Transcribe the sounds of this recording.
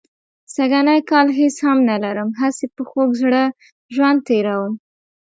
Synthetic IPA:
saɡanajkɑlɦeshamnalaɾəmɦasepəxoɡzɽə | ʒwand̪̚t̪eɾawəm

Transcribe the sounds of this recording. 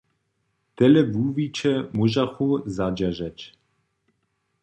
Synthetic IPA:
t̪ɛlɛvuːvit͡ʃɛmuʒaxuzad͡ʒɛʒɛc

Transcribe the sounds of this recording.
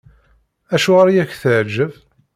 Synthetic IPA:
æʃuʁaɾjæçθəʕd͡ʒəv

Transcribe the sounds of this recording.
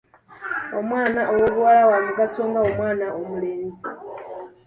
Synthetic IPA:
o̞mwaːnaʔowoβuwalawamukasoːŋɡao̞mwaːnaʔomuleːnzi

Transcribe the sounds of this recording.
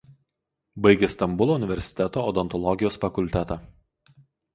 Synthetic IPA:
bɐɪɡʲɛst̪ɐmbʊlˠoːʊnʲɪʋʲɛɾʲsʲɪ̥t̪ʲɛt̪oːɔd̪ɔnt̪ɔlˠɔɡʲɪjoːsfɐkʊlʲt̪ʲɛt̪ɑː

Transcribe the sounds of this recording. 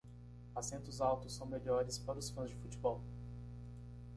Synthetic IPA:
asẽnt̪ʊzawt̪ʊsːɐ̃w̃meʎɔɾɪspaɾʊsfɐ̃zd͡ʒɪfut͡ʃibɔw

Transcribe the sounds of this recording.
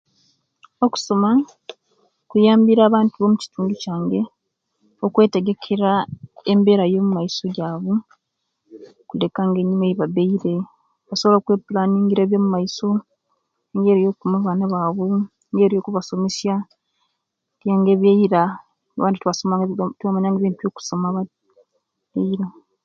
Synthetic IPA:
oku̥so̞ma | kujaːmbiɾaːβaːntuβomuci̥tuːɲɡicaːŋɡe̞ | okwe̞ːte̞ɡe̞kʰe̞ɾaembe̞ːɾajo̞ːmumaiso̞ɟaːβu | kule̞kaŋɡe̞ːɲːimweiβabeiɾe̞ | βasoβolokweːpulaːniːŋɡiɾeːβjo̞ːmumaiso̞ | ŋɡe̞ːɾijo̞kumaβaːnaβaβu | ŋɡeɾijokuβaso̞mesja | ɾjaːŋɡe̞ːβjeiɾa | aβaːntitwβasoatuβamaɲaŋɡeβiːntujo̞ːku̥somaβa | eiɾa

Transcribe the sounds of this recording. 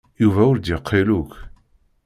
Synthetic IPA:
juvæʊɾd̪jəqʰːiluk

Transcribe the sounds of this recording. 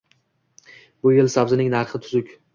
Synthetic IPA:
bʊjelsabzɪnɪŋnaɾχɪt̪ʰʊzʊkʲ

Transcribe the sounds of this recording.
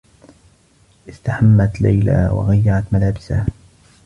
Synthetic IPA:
ʔɪst̪aħamːat̪la̰jla̰ːwa̰ɣajːaʕat̪malaːbɪsa

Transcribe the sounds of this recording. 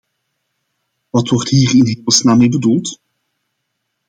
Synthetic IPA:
ʋɑtʋɔrtɦiːrɪnɦeːməl̩ˠsnaːmejbədulˠt

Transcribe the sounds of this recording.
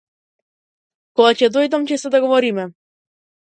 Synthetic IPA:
kɔɡacɛd̪ɔjd̪amcɛsɛd̪aɡovɔɾimɛ

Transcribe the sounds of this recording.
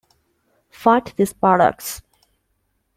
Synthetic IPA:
faɪʈd̪ɪspɾɔɖə̰k̚ʈs

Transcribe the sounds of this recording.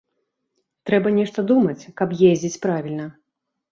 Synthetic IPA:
t̪ɾɛbɐnʲɛʂt̪ɐd̪umɐt͡sʲkɐpjezʲd͡zʲit͡sʲpɾavʲilʲnɐ

